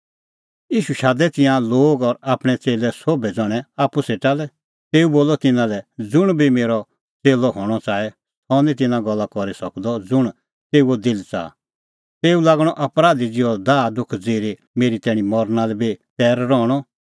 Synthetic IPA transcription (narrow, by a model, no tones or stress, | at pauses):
jiːʃuʃaːd̪ɛt̪ɪ̃jãloːɡɔɾaːpɽ̃ɛt͡seːlɛsoːbɛd͡zɔɽ̃ɛ̃aːpːuseːʈalɛ | t̪eːuboːlɔt̪ɪnãlɛd͡zʊɽ̃bʱimeːɾɔ | t͡seːlɔɦɔɽ̃ɔt͡saːɛ | sɔnĩt̪̬ɪnãɡɔlːakɔɾisɐkd̪ɔd͡zʊɽ̃ | t̪eːuod̪ɪlt͡sa̰ː | t̪eːulaːɡɽ̃ɔʔɐpɾaːd̪id͡zɪɔd̪aːd̪ʊkʰd͡zeːɾe | meːɾit̪ɛɽ̃ĩmɔɾnalɛbit̪ɛːɾɾɔːɽ̃ɔ